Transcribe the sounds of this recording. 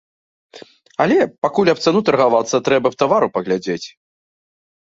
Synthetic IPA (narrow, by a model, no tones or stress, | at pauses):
ɐlʲɛpakulʲɐp̚t̪sanut̪ɐrɣavat̪sːɐt̪ɾɛbɐpt̪avaɾupɐɣlʲad͡zʲet͡sʲ